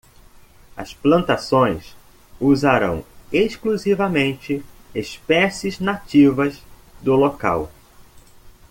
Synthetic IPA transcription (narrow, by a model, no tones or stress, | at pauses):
ɐ̰splɐ̃nt̪asõj̃s | uzaɾɐ̰̃w̃eʃkluzivɐmẽnt͡ʃɪespɛsɪznat͡ʃivɐz | d̪ʊloka̰w